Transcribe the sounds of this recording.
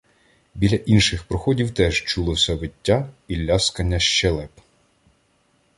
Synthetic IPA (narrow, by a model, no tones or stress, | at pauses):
bʲilʲːɐʔinʃɪxpɾɔxɔdʲiwt̪ɛʒt͡ʃulˠɔsʲɐʋetʲːapʲilʲːaskɐnʲːɐʃt͡ʃɛlˠɛp